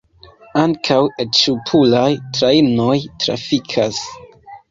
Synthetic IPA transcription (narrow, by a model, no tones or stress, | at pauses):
aŋkʰawet͡ʃupʰulajtɾaino̞jtɾa̰fikʰas